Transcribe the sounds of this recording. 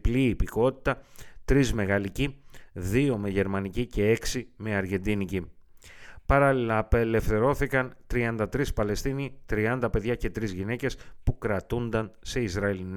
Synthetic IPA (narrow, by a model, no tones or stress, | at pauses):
pliːpiko̞t̪i̥t̪ɐt̪ɾizme̞ɣɐliciðio̞me̞ʝe̞ɾmɐnicice̞eksime̞ɐɾʝe̞nd̪inici | pɐɾɐlilɐpe̞le̞fθe̞ɾo̞θikɐnt̪ɾiɐnd̪ɐt̪ɾispɐle̞st̪init̪ɾiɐnd̪ɐpe̞ðʝɐce̞t̪ɾizʝine̞ce̞spukɾɐt̪und̪ɐnse̞izɾɐelin